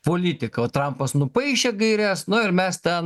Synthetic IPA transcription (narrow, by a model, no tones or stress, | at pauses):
poːlʲit̪ʲɪkɐoːt̪ɾɐmpɐsnʊpɐɪʃʲeɡɐɪɾʲæsnʊɪɾmʲɛst̪ʲɛn